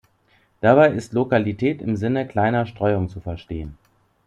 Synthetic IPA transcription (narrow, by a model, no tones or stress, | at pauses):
d̥abaɪɪstlokalitʰɛːtɪ̰mzɪnəkl̥aɪnɐʃtʁ̥ɔʏʊŋt͡sufɛɐʃteːən